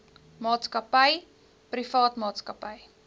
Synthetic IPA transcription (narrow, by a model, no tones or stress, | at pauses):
mɑːtskɐpəj | prifɑːtmɑːtskəpəj